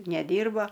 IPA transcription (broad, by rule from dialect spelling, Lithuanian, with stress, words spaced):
nʲɛˈdʲiːrbɐ